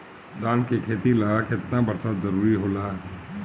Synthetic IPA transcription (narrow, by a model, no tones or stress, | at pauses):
d̪aːnkekʰeːt̪ilaɡakeɪt̪nabɐɾsaːt̪zɐɾuːɾiɦoːlaː